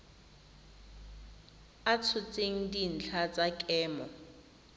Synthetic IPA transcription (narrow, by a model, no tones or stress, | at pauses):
at͡sʰʊt͡sʼeŋ̩din̩t͡ɬʰat͡sʼakʼɛːmɔ